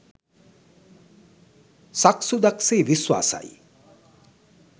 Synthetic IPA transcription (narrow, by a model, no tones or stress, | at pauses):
saksud̪aksejʋiswa̰ːsa̰j